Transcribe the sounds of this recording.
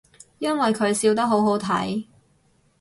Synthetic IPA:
jɐ˥nwɐ˨jkʰɵ˨˧ɥsiː˧wt̪̬ɐ˥k̚ɦo˨˥wɦo˨˥wt̪ʰɐ̰˨˥j

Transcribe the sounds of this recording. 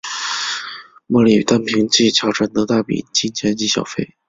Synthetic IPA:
mɔ˥˩li˨˩˨t̪a˥npʰi˧˥ŋt͡ɕi˥˩t͡ɕʰjɑ˧˥ʊʈ͡ʂʰa˧˥nt̪ɤ˧˥t̪a˥˩pḭ˨˩t͡ɕi˥nt͡ɕʰjɛ˧˥nt͡ɕi˧˥˩ɕjɑ̰˨˩ʊfe˥˩ɪ

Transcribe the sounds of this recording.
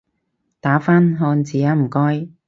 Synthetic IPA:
t̪aː˨˥faː˥nɦɔː˧nt͡siː˨˩ja˨˧˥m̩˨˩kɔː˥j

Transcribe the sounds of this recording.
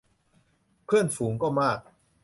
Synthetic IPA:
pʰɯ˥˩ənfuː˩˦ŋkɔː˥˩maː˥˩k̚

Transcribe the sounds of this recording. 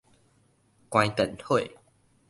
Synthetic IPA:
kwã˧jt̪ə˨˩˨nho˥˩˨

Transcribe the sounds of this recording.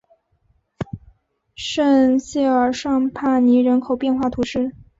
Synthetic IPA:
ʂə˥˧nɕjɛ˥˩ə˞˨˩ʂɑ˥˧ŋpʰa˥˩ni˧˥ɻə˧˥nkʰo˨˩ʊpjɛ˥˧nxwa˥˩t̪ʰu˧˥ʂɻ̩˥˩

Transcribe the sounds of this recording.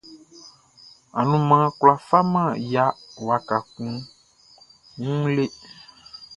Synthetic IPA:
a̰˨nũ˨˦mã˨˦kla˨fa˦mã˦˨ja˨wa˨ka˨kũ˨ | ŋũ˦le˦

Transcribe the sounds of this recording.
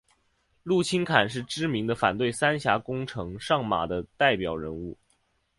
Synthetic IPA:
lu˥˩t͡ɕʰi˥nkʰa˨˩nʂ̬ɻ̩˥˩ʈ͡ʂɻ̩˥mi˧˥ŋd̪ə˧fa˨˩nt̪we˥˩ɪsa˥nɕja˧˥kʊ˥ŋʈ͡ʂʰɤ˧˥ŋʂɑ˥˩ŋma̰˨˩d̪ə˦t̪a˥˩ɪpjɑ˨˩ʊɻə˧˥nu˥˩

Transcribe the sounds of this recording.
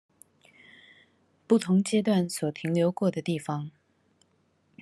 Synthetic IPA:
pu˥˩t̪ʰʊ˧˥ŋt͡ɕjɛ˥t̪wa˥˩nswɔ˨˩t̪ʰi˧˥ŋljo˧˥ʊkwɔ˥˩d̪ə˩t̪i˥˩fɑ˧˥ŋ

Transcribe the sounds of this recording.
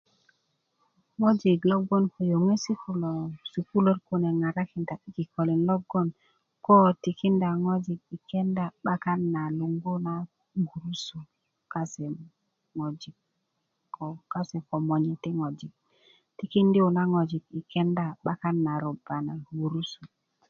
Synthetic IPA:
ŋo˦d͡ʒi˨ɡlo˦ɡo˦nko˨jo˨ŋe˦si˦ku˨lo˨su˨ku˦lo˦tku˦ne˨ŋa˨ɾa˦ki˨nda˨i˦ki˨ko˨li˨nlo˦ɡo˦n | ko˦ti˨ki˦nda˨ŋo˦d͡ʒi˨k̚i˨ke˦nda˦ɓa˦ka˦nːa˨lu˨ŋɡo˦na˦ | ɡu˨ɾu˦su˨ | ka˦se˨ | ŋo˨d͡ʒi˨k̚ | o˨ka˦se˨ko˨mo˨ɲe˨ti˦ŋo˨d͡ʒi˨k̚ | ti˨ki˦ndi˦u˨na˦ŋo˨d͡ʒi˨ki˨ke˦nda˦ɓa˦ka˦nːa˨ɾo˨ba˨na˨ɡu˨ɾu˦su˨

